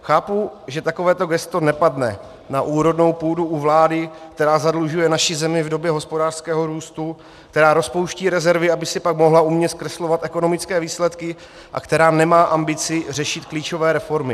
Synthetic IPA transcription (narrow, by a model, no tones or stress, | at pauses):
xaːpuʒɛt̪ako̞vɛːt̪o̞ɡɛst̪o̞nɛpadnɛ̰ | naʔuːɾo̞dno̞wpuːduʔuvlaːdɪkt̪ɛɾaːzadluʒujɛnaʃɪzɛmɪvdo̞bjɛɦo̞spo̞daːr̥skɛːɦo̞ɾuːst̪u | k̚t̪ɛɾaːɾo̞spowʃciːɾɛzɛɾvɪabɪsɪpakmo̞ɦlaumɲɛskɾɛslo̞vat̪ʔɛko̞no̞mɪt͡skɛːviːslɛt̪kɪ | ʔa̰kt̪ɛɾaːnɛmaːʔambɪt͡sɪr̝ɛʃɪt̪kliːt͡ʃo̞vɛːɾɛfo̞ɾmɪ